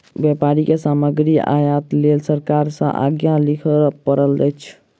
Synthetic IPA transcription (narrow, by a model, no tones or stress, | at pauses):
bjɛpaɾikesaməɡɾia̰jat̪lelsəɾkaɾsə̰̃ʔa̰ɡjãlikʰəpəɾəld͡ʒət͡ʃʰ